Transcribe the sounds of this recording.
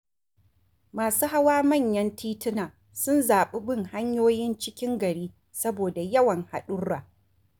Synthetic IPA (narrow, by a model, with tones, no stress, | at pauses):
maː˨suː˦ha˦waː˦mɐ˦˨ɲjɐ˦ntiː˦tɪ˦naː˨ | sʊ˦nzaː˨ɓe˦bɪ˦ŋha˦ɲjoː˦jɪ˦nt͡ʃɪ˦kʲɪ˦ŋɡɐ˨ɽiː˦ | sɐ˦boː˨da˨jɐ˦wɐ˨ŋha̰˨ɗʊ˦ɽːaː˨